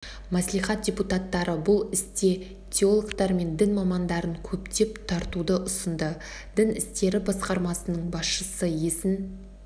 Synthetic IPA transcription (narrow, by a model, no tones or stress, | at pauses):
mæslijχɑt̪̚d̥̪ʲeput̪ɑt̪ːɑɾəbʊlˠɪst̪e̞ | t̪ʲʰeolˠəkt̪ɑɾme̞nd̪ɪnmɑmɑnd̪ɑɾəŋkʲʰɵpt̪e̞pt̪ʰɑɾt̪ud̪əʔʊsənd̪ə | d̪̥ɪnɪst̪e̞ɾɪbɑsqɑɾmɑsənəɴbɑsʃəsəje̞sɪn